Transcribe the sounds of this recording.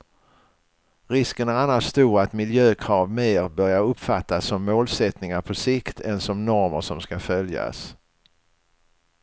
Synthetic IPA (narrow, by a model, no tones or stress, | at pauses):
ɾɪskənæɾanːaʂst̪uːɾat̪mɪljøːkʰɾɑːvmeːɾbœɾjaɾɵpːfat̪ːasːɔmːoːlsɛt̪nɪŋaɾpʰɔsɪkt̪ʰɛnsɔmnɔɾmə̰ʂɔmskafœlja̰s